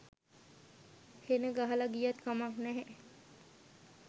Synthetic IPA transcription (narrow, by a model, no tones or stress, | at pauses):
henəɡaɦalaɡijat̪kamaknɛɦɛ